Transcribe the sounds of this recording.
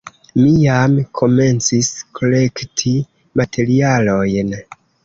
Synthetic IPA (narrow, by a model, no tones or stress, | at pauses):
mijamkʰo̞me̞nt͡siskʰo̞le̞ktʰi | matʰe̞ɾialo̞jn